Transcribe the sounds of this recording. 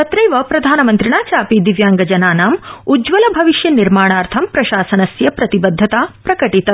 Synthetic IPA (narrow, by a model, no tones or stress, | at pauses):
ɐt̪ɾɐjʋɐpɾɐd̪ʱaːnɐmɐnt̪ɾiɳaːt͡ʃaːpid̪iʋjaːŋɡɐd͡ʒɐnaːnaːmud͡ʒʋɐlɐbʱɐʋiʃjɐniɾmaːɳaːɾt̪ʰɐmpɾɐʃaːsɐnɐsjɐpɾɐt̪ibɐd̪ʱːɐt̪aːpɾɐkɐʈit̪ɐ